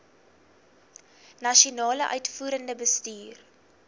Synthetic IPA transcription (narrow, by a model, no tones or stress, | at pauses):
nɐʃionɑːləʔœɥtfuːɾəndəbəstyːr